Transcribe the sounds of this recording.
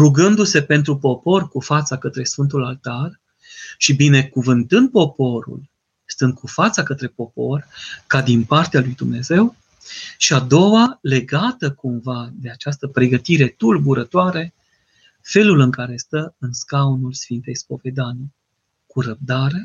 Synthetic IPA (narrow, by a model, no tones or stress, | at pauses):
ruɡɨnd̪use̞pe̞nt̪̬ɾupo̞po̞rkufat̪sakət̪ɾe̞sfɨnt̪̬ulalt̪ar | ʃibine̞kuvɨnt̪ɨnd̪̚po̞po̞ɾṵl | st̪ɨnd̪̚kufat̪sakət̪ɾe̞po̞po̞rkad̪inpart̪ealujd̪umne̞ze̞w | ʃiad̪o̞wale̞ɡat̪əkumvad̪e̞at͡ʃast̪əpɾe̞ɡət̪iɾe̞t̪ulbuɾət̪oaɾe̞ | fe̞lulɨŋkaɾe̞st̪əɨnskaunulsfint̪e̞jspo̞ve̞d̪ani | kuɾəb̚d̪aɾe̞